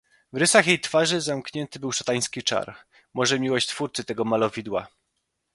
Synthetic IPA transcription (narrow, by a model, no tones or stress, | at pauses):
vɾɘsaxjejt̪faʐɘzamkɲɛnt̪ɘbɘwʂat̪aj̃skʲit͡ʂa̰ɾ | mɔʐɛmʲiwɔɕt͡ɕt̪fuɾt̪sɘt̪ɛɡɔmalɔvʲid̪wa̰